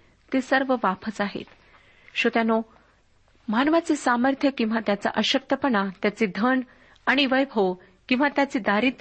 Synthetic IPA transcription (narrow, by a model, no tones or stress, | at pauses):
t̪esəɾʋəʋapʰət͡saɦḛt̪ | ɕot̪jano | manʋat͡sesaməɾt̪ʰjəkĩw̃ʋat̪jat͡sa̰ʔəɕək̚t̪əpəɳat̪jat͡sed̪ʱəɳ | aɽ̃iʋəjbʱo | kĩw̃ʋat̪jat͡sed̪aɾiːt̪